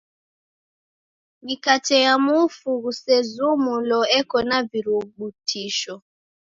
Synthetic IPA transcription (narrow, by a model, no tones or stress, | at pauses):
ŋɡikatɛjamufuɣusɛzumulɔɛkɔnaviɾuɓutʰiʃɔ